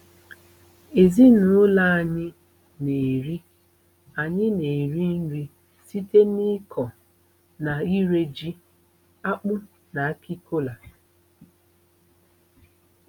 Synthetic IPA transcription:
e˨zi˦nʊ˦la˦a˨ɲɪ˦ | ne˨ɾi˦ | a˨ɲɪ˦ne˨ɾi˦n̩˦ɾi˦ | si˦te˦ni˦kʰɔ˨ | na˨i˦ɾe˦d͡ʒi˦ | a˦k͡pʊ˦ | na˨a˦ki˦kʰo˦la˨

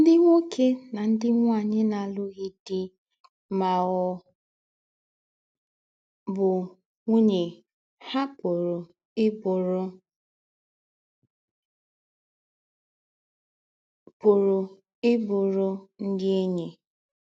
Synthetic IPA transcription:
n̩˦dɪ˦ŋʷo˦kʰe˦na˨n̩˦dɪ˦ŋʷ˦a˦˨ɲɪ˦na˨lʊ˦ɣɪ˦dɪ˦ | ma˨ɣɔ˨ | bʊ˨ | ŋʷu˦ɲe˨ | ha˦pʊ˨ɾʊ˨˦ | bɾ | pʊ˨ɾʊ˨ | ɪ˦bʊ˨ɾʊ˨n̩˦dɪ˦e˦ɲe˨

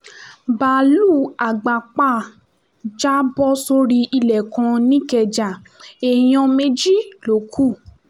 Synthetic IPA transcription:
ba˨lu˦˨a˨ɡ͡ba˨k͡pa˦˨ | d͡ʒa˦bɔ˦so˧ɾi˧i˧lɛ˨kã˧nĩ˦kɛ˧˨d͡ʒa˨ | e˨j̃ɔ̃˧me˧˦d͡ʒi˦˨lo˨˦kʰu˦˨

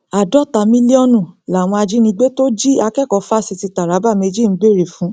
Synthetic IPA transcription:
a˨dɔ˦ta˨mĩ˦li˦ɔ˦nũ˦˨la˨w̃ɔ̃˧a˧d͡ʒi˦nĩ˧ɡ͡be˦to˦d͡ʒi˦a˧kɛ˦˨kɔ˨˧˦fa˦˨si˧ti˧ta˨ɾa˨˦ba˦˨me˧d͡ʒi˦˨m̩˨˦ɡ͡be˦˨ɾe˨fũ˨˦

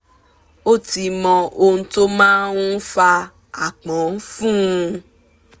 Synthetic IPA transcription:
o˦˨ti˧mɔ̃˧o˧ũ˧to˦mãː˦wũ˦fa˧ | a˨k͡pɔ̃˨˦n̩˦fũ˦ũ˧

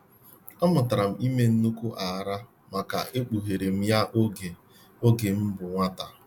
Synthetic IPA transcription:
a˦mʊ˨ta˨ɾa˨m̩˨˦i˦me˦n̩˦nu˦ku˦ʔa˨ɾa˦ | ma˨ka̰˨ʔe˦k͡pu˨ɦe˨ɾe˨m̩˦ja˦ʔo˦ɡe˨ | o˦ɡe˨m̩˦bʊ˨ŋʷa˦ta˨

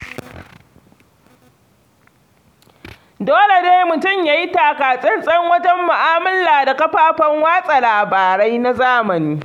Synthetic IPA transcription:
doː˦le˨deː˦jmʊ˨tʊ˦˨mjaː˦ji˦taː˨kaː˨sʼɛ˦nsʼɐ˦ŋwɐ˦tɐ˦mːʊ˨ʔaː˦mɐ˦lːaː˨da˨kɐ˦ɸaː˦ɸɐ˦ŋwaː˦sʼa˨laː˨baː˨ɽa˦jna˦zaː˦mɐ˨niː˦

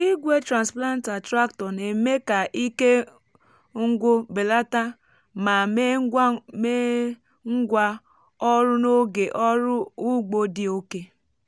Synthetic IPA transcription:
i˦ɡʷe˦tɾa˨nspla˦n̩˦ta˨tɾa˦k̚tɔ˨ne˨me˦ka˨ʔi˦ke˦ | ŋ̩˦ɡʷʊ˦be˨la˦ta˦ | ma˨m˦me˦ | ŋ̩˦ɡʷa˦ | ɔ˦ɾʊ˦no˦ɡe˨ʔɔ˦ɾʊ˦u˦ɡ͡bo˦dɪ˦o˦ke˦

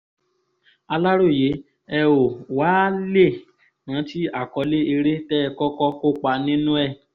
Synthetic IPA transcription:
a˧la˦ɾo˦˨je˨˦ | ɛ˧o˨waː˨˦le˦˨ | nã˨˦ti˦a˦˨kɔ˨˧le˦e˧ɾe˦tɛ˦˧kɔ˦kɔ˦ko˦k͡pa˧nĩ˦nũ˦ɛ˦˨

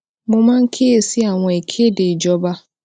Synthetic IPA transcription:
mʊ˦ma˦ŋ̩˦kʰe˦e˨si˦a˨ŋʷɔ˨i˨kʰe˦dɪ˨d͡ʒɔ˦ba˦

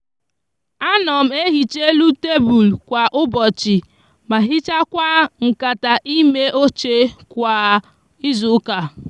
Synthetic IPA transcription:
a˦nɔ˨m̩˦e˦ɦi˨t͡ʃe˦lu˦te˦bu˨lkʷa˨ʔʊ˦bɔ˨t͡ʃɪ˨ | ma˨ɦi˦t͡ʃa˦kʷa˦ŋ̩˨ka˨ta˨ʔi˦me˦ʔo˦t͡ʃe˦kʷa˨ | i˦zʊ˨˦ka˨

